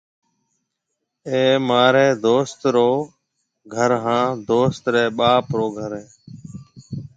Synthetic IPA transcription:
eːmaːɾɛːd̪oːst̪ɾoː | ɡʱəɾɦãːd̪oːst̪ɾɛːɓaːpɾoːɡʱəɾẽː

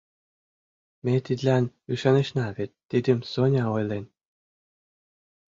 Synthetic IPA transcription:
mʲet̪id̪ʲlʲænyʃɑnĕɕnɑvet̪ʲːid̪ʲɘ̆msonʲɑojlˠenʲ

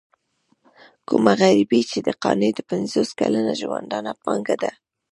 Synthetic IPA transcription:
kʊmaɣaɾibit͡ʃed̪əqɑned̪əpanzoskalanaʒowand̪ɑnapɑŋɡad̪a

